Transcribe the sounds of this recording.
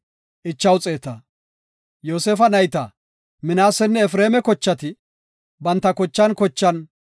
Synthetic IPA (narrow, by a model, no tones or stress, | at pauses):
ʔɪt͡ʃːɐwt͡sʼeːt̪ɐ | joːseːfɐnɐjt̪ɐ̰ | mɪnaːsɛnːɛɛfɾeːmɛkɔt͡ʃːɐt̪ɪ | bɐnt̪ːɐkɔt͡ʃːɐnkɔt͡ʃːɐn